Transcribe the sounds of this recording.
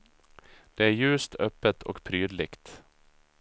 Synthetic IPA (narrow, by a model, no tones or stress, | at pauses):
d̪̥ɛæɾjʉ̟ːst̪ʰœpːət̪ʰɔ̰kpʰɾyːd̪lɪkt̪